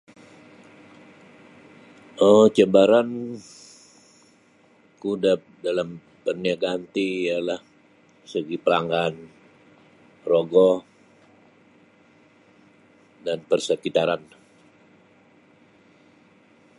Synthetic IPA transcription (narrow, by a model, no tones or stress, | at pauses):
ʔɔt͡ʃəbaɾan | kudap̚dalam | pərniaɡant̪ijalah | səɡipəlaŋɡan | roɡɔ | danpərsəkit̪aɾan